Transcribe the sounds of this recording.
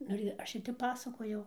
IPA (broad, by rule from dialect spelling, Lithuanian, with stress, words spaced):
ˈnʊ ɪr ˈɐʃ ɪr ˈtʲɛp ˈpɑːsɐkoːjɛʊ